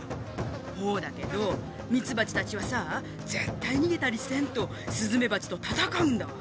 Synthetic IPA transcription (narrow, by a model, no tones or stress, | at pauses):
ho̞ːd̪ake̞d̪o̞ | mʲit͡sɨbat͡ɕi̥t̪at͡ɕiβasa | d͡ze̞t̪ːaiɲ̟iɡe̞t̪aɾʲisɨ̥ẽ̞nt̪o̞ | sɨzɨme̞bat͡ɕi̥t̪o̞t̪at̪akaɯ̟̃nd̪a